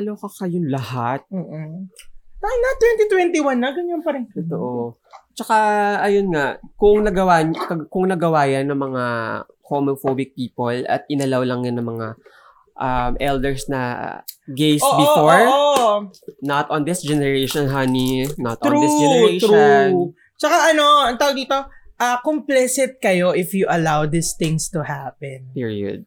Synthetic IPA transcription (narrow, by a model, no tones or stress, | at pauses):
ɐlokɐkɐjʊŋlɐhat̪̚oːʔ | t̪aɪŋnɐt̪wɛnt̪it̪wɛnt̪iwanːɐɡɐŋɐnpɐɾɛt̪oʔo | t͡ʃɐkaɐjonŋakʊŋnɐɡɐwaɲkɐkʊŋnɐɡɐwaːjɐnːɐŋmɐŋakomofoːbɪk̚piːpolɐ̰t̪̚ʔɪnɐlawlɐŋɲɐnɐŋmɐŋa | ʔɐmʔɛld̪ɛɹsnɐ̰ | ɡejsbɪfoɹ | nɐt̪ɔnd̪ɪsd͡ʒɛnɛɹeʃɔnɦaninɐt̪ɾuɪd͡ʒɛneɾ | t͡ʃɐkaʔɐno̞ɐŋt̪aːwoɡd̪iːt̪o̞ʔɐkomplɛsɪt̪̚kɐjo̞ʔɪfjuʔɐlawd̪ɪst̪ɪ̃ŋst̪uhapɛnpiɹiɐ̰d̪̚